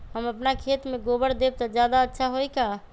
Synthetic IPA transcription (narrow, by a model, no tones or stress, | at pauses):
ɦəməpnakʰet̪meɡobəɽd̪eb̚t̪ɔd͡ʒjad̪aətːʃʰaɦojka